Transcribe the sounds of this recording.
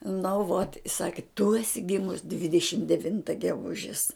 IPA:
nʊ ʋoːt ɪ ˈsɑːkʲɪ tʊ ɛˈsʲɪ ˈɡʲɪmʊs dʲʋʲɪdʲɛˈʃʲɪm dʲɛˈʋʲɪntɐ ɡʲɛˈɡʊʒʲɪs

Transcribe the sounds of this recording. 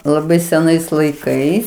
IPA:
lˠɐˈbɐɪ sʲɛˈnɐɪs lˠɐɪˈkɐɪs

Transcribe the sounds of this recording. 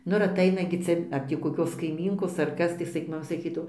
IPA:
ˈnʊ ɪr ɐˈtɐɪnɐ ɡʲɪ ˈt͡sʲɛ ɐr tʲiː koːˈkʲoːs kɐɪˈmʲiːŋkoːs ɐr ˈkɐs tɐɪ ˈsɐkʲ mɐˈmɐ sɐˈkʲiːdɐʋoː

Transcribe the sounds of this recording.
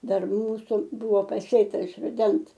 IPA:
ˈdɐr ˈmuːsʊ ˈbʊʋoː pɐˈsʲeːtɐ ɪʃ rʊˈdʲɛns

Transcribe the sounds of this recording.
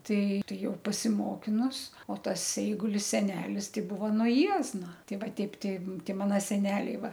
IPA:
ˈtɐɪ ˈtɐɪ ˈjɛʊ pɐsʲɪˈmoːkʲɪnʊs oː ˈtɐs ˈɛɪɡʊlʲɪs sʲɛˈnʲæːlʲɪs ˈtɐɪ ˈbʊʋɐ nuɔ ˈjiɛznɐ ˈtʲɛɪ ˈʋɐ ˈtʲɛɪp ˈtɐɪ ˈtʲɛɪ ˈmɑːnoː sʲɛˈnʲæːlʲɛɪ ˈʋɐ

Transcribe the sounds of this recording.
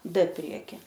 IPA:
t ˈpʲrʲiɛkʲɪ

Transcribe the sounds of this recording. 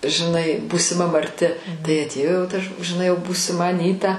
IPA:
ʒʲɪˈnɐɪ buːsʲɪˈmɐ mɐrʲˈtʲɪ tɐɪ ɐtʲˈeːjoː jɛʊ tɐ ʃ ʒʲɪˈnɐɪ buːsʲɪˈmɐ ɐˈnʲiːtɐ

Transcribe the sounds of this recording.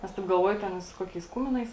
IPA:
ˈnʲɛs tɐɪp ɡɐlˠˈʋuɔjʊ ˈtʲɛn ɪ sʊ ˈkoːkʲɛɪs ˈkʊmʲɪnɐɪs

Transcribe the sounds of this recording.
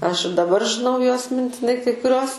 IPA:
ˈɐʃ dɐˈbɐr ʒʲɪˈnɐʊ juɔs mʲɪnʲtʲɪˈnɐɪ kɐɪ kʊˈrʲuɔs

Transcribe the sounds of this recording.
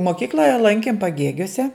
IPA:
moːˈkʲiːklˠoːjɛ ˈlˠɐŋʲkʲɪm pɐˈɡʲeːɡʲuɔsʲɛ

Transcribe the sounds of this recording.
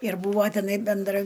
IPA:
ɪr ˈbuːʋoː tʲɛˈnɐɪ bʲɛnˈdrɐ

